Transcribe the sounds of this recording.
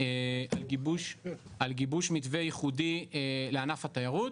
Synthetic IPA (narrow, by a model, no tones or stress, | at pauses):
ealɡibuʃalɡibuʃmitvejiχudieleanafat̪ajaʁut̪